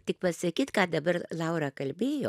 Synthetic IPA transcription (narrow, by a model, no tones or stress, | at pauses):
t̪ʲɪk̚pɐsɐkʲiːt̪kɑːd̪ɐbɐɾlˠɑʊɾɑkɐlʲbʲeːjo̰ː